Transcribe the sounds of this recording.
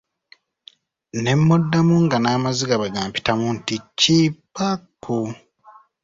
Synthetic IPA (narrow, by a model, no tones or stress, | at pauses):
ne̞mːo̞dːamuŋɡanaːmaziɡaβeɡaːmpi̥tamunticːipːakʰːu